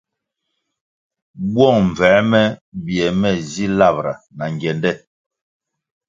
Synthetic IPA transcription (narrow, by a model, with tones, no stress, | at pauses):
bwɔ˦˨ŋɱ˨vɛː˨˦mɛ˦bjɛ˨mɛ˦˨zi˦la˦˨bɾa˨na˨ŋɡɛ˨ndɛ˦˨